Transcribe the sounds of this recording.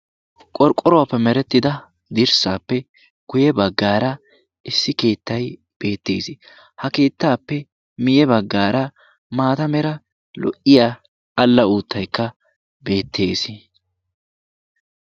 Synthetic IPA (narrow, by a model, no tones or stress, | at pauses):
kʼɔɾkʼːɔɾɔwapːɛmɛɾɛt̪ːɪd̪ɐ | d̪ɪɾsaːpːɛ | ɡ̥ʊjɛbɐɡːaːɾɐ | ʔɪsːɪke̞ːt̪ːɐj | b̥e̞ːt̪ːe̞ːsɪ | hɐke̞ːt̪ːaːpːɛ | mɪjɛbɐɡːaːɾɐ | maːt̪ɐmɛɾɐ | lɔ̰ʔːɪjaː | ɐlːɐuːt̪ʰːɐjkːɐ | be̞ːt̪ːe̞ːs